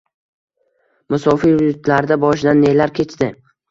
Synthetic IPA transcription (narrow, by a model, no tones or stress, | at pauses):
mʊsɒfiɾʊʊt̪laɾd̪abɒʃɪd̪anːelaɾkʲʰe̞t͡ʃd̪ɪ